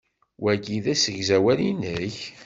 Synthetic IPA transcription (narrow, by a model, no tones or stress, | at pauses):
wæɡiðæsəʝzæwælinəç